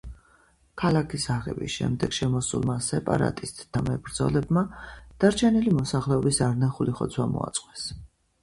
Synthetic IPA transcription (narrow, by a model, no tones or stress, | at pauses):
kʰalˠakʰisaʁɛ̰bisʃɛ̰md̪ɛɡ̥ʃɛmɔsṵlˠmasɛpʼa̰ɾa̰t̪ʼist̪ʼd̪̥amɛbɾd̪zɔ̰lɛbmad̪̥aɾt͡ʃʰɛnilimɔsaχlɛɔbisaɾnaχuliχɔt̪sʰwamɔ̰a̰t̪sʼqʼwɛs